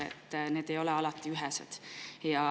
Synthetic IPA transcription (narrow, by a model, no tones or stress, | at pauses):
ḛt̪ːne̞ːd̪e̞jo̞leɑlɑt̪ːˑiyɦɛsḛd̪̥jɑ